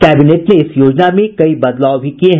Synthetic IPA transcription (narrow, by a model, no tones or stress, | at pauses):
kɛːbineːʈneɪsjoːd͡ʒnamẽkɐibɐd̪laːʊbʱikieɦ